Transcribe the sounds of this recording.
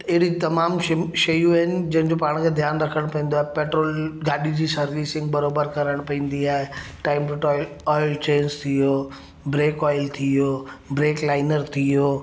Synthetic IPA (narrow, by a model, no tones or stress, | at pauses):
t̪ɪɦɪɽit̪ɐmaːmʃɐjũaɦɪnɪ̆d͡ʑɐ̃ɦɪ̃nd͡ʑoːpaːɽ̃kʰed̪ʱjaːnɾɐkʰəɽ̃pɐ̃ĩːn̆d̪oaːɦepeːʈɾoːlɡaːɗid͡ʑiːsɐɾʋiːsɪ̃ŋɡbɐɾoːbəɾkɐɾəɽ̃pɐ̃ĩːn̆d̪iaːɦeʈaːɪmɾʈɔːɪl | ɔːɪlt͡ɕeːnst̪ʰijoː | bɾeːkɔːɪlt̪ʰioːbɾeːklaːɪnəɾt̪ʰijoː